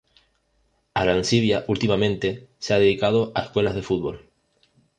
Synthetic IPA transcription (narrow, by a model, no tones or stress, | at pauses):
aɾansiβjaʔult̪imamẽnt̪e̞seaðeð̞ikað̞oʔaeskwe̞lazðe̞fut̪̚βo̞l